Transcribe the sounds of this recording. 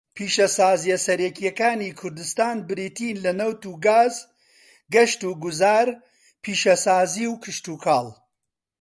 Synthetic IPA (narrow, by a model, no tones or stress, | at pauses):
pʰiːʃɐsaːzijɐsɐɾɛkijɐkaːniːkʰʊɾd̪ɨst̪aːnbɪɾiːt̪iːnlɐnɐwt̪uːɡaːz | ɡɐʃt̪uːɡʊzaːɾ | pʰiːʃɐsaːziːwkʰɨʃt̪uːkʰaːlˠ